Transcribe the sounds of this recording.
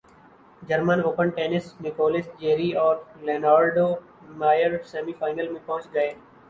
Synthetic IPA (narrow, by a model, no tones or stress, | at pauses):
d͡ʒɐɾmənoːpəɳʈeːnɪsnɪkoːlɪsd͡ʒeːɾiɔːɾleːnaːɾɖoː | maːjəɾsɛːmifaːɪnəlmẽpɐɦʊ̃t͡ʃɡəeː